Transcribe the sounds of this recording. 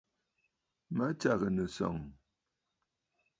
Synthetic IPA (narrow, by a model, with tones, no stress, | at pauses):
ma˦t͡ʃa˦˨ɣə˨nə˨sɔ̰˨ŋ